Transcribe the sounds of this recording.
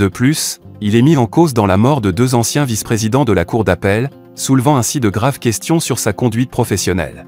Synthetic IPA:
d̪əplys | ilɛmiɑ̃kozd̪ɑ̃lamɔʁd̪əd̪øzɑ̃sjɛ̃vispχezid̪ɑ̃d̪əlakuʁd̪apɛl | sulvɑ̃ɛ̃sid̪əɡʁavkʲɛst̪jɔ̃syʁsakɔ̃d̪ɥit̪̚pχɔfɛsjɔnɛ̰l

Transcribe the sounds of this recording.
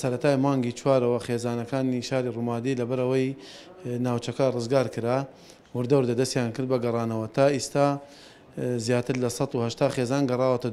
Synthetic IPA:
sɐɾɐt̪ʰaːjmaːŋɡiːt͡ʃʰwaːɾɐwɐxeːzaːnɐkaːniʃaːɾirumaːd̪ilɐbɐɾɐwɐj | naːwt͡ʃɐkɐrɨzɡaːɾkɨɾa | wʊɾd̪ɐwɾd̪ɐd̪ɐst̪jaːnkɨɾd̪bɐɡɐrˤɑːnɐwɐt̪ʰaːist̪aː | zjaːt̪ɨɾlɐsɑt̪uhɐʃt̪aːxeːzaːnɡɐrˤɑːwɐt̪ɐ

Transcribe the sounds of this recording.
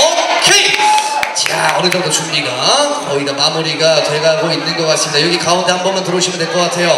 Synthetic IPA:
okʰe | t͡ɕa̰ʌɾet͈ʰʌdot͡ɕummiɡa | ʌiɾamamuɾiɡatwe̞ɡaɭɡoinːɯnɡʌk͈as͈ɯmidajoɡikaondehambʌnmɯntɯɾoɕʰimɯntʰeɭk͈ʌk͈atʰe̞jo

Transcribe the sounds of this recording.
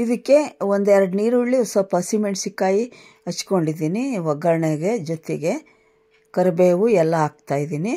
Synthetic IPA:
id̪ikːe̞ond̪ɛɾɐɽniːɾuɭːiɔsɐpɐsimeɳʈsikːaːji | ɐt͡ʃko̞ɳɖid̪iːniʋɐɡɐɾɐɳeɡe̞d͡ʒot̪eɡe̞ | kɐɾɐbeːʋuɛlːɐaːɡ̚t̪aːjid̪iːni

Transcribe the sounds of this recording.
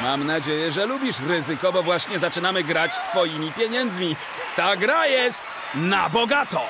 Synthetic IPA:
mamnad͡ʑejɛʐɛlubʲiʂɾɘzɘkɔbɔvwaɕɲɛzat͡ʂɘnamɘɡɾat͡ɕt̪fɔjimʲipʲjɛɲɛnd̪zmʲi | t̪aɡɾajɛst̪ | nabɔɡat̪ɔ

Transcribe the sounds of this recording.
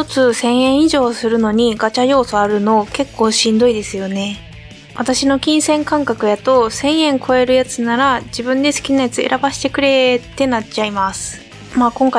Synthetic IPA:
t̪ot͡sɨsẽ̞ɰ̃ẽ̞ɰ̃iʑo̞ːsɨɾɯ̟no̞ɲ̟iɡat͡ɕajo̞ːso̞aɾɯ̟no̞ke̞kːo̞ːɕĩnd̪o̞id̪e̞sɨjo̞ne̞ | βat̪aɕino̞kʲĩɰ̃sẽ̞ŋkãŋkakɯ̟jat̪o̞sẽ̞ɰ̃ẽ̞ŋkʰo̞e̞ɾɯ̟jat͡sɨnaɾaʑibɯ̟̃nd̪e̞sɨ̥kʲinajat͡sɨe̞̰ɾʔabaɕi̥t̪e̞kɯ̟ɾe̞t̪e̞nat͡ɕaimasɨ̥ | maːkõ̞ŋka

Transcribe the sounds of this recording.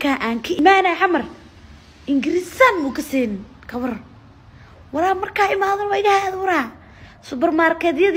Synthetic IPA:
kʰaːʔaːŋkʰɐʔɪmaːnɛʕamɐr | ɪŋɡɪɾɪsanmʊkʰɐsɛːn | kʰɐβɐr | wɐɾaːmɐrkʰaːɪmaːðɔnwaɪɣahjaðwɐɾaː | sʊbɐrmaːrkʰɛðjɐð

